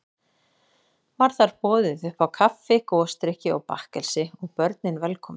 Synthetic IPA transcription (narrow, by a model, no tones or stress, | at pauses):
vaɾ̥θaɾ̥pɔːðʏðʏhpawkʰafːɪkɔːst̪ɾɪhcɪɔɣpahkɛlsɪɔɣpœɾt̪̚nɪnvɛlkʰɔːmɪ